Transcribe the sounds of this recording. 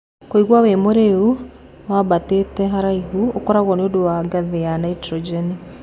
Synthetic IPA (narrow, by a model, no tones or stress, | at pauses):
koiɣwawemoɾeu | wabatetɛɦaɾaiɦuokɔɾaɣɔneodowaɡaðejanaitɾɔd͡ʒɛni